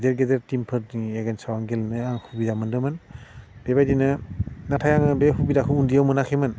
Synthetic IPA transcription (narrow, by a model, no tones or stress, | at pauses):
deɾɡedeɾtimpʰɯɾeɡensawaŋɡelnɯaŋhubizamɯndɯmɯnb̥ebajdinɯnatʰajaŋɯbehubidakʰɯundijawmɯnakʰemɯn